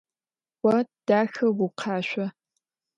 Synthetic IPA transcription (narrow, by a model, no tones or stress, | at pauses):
wɐd̥aːxɐwuqʰɑːɕʷɐ